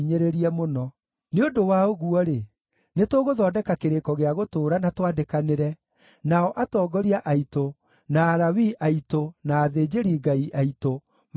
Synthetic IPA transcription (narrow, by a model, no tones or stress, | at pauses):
ɲeɾeɾiɛmonɔ | neodowaoɣuɔɾe | netoɣoðɔːdɛkakeɾekɔɣeaɣotoːɾanatwadekaneɾɛ | naɔʔatɔːɡɔɾiaʔaito | naːɾawiʔaitonaːðeːd͡ʑeɾiɡaiʔaito | m